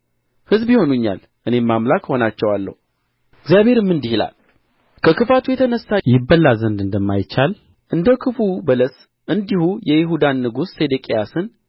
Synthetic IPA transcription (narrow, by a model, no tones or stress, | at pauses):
hɨzbjiho̞nuɲːa̰l | ʔɨne̞mːamlakho̞nat͡ʃːɛwalːə̰hu | ɡzjaβe̞ɾɨmːɨnd̪ihila̰l | kʰəkɨfat̪ʰujɛt̪ʰənəsːajɪbːəlːazənd̪ɨnd̪əmːajt͡ʃːal | ʔɨnd̪əkʰɨfubələs | ʔɨnd̪ihujɛjɪɦud̪anːɨɡusːed̪ekʼejasɨn